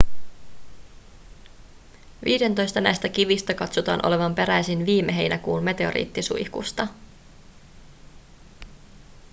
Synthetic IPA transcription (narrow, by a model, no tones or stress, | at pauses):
ʋḭːde̞nt̪o̞jst̪ɑnæ̰jst̪æk̟iʋist̪ækɑt̪sot̪ɑ̰ːnʔo̞le̞ʋɑmpe̞ɾæjsinʋiːmːe̞ɦe̞jnækuːnme̞t̪e̞o̞̰ɾḭːt̪ːisṵihkṵst̪ɑ